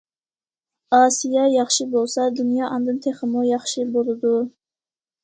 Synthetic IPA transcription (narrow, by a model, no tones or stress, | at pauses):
ɑsijajɑχʃɪbolˠsad̪ʊnjɑʔɑnd̪ɨnt̪ʰeχɨmʊjɑχʃɪbolˠɪd̪ʊ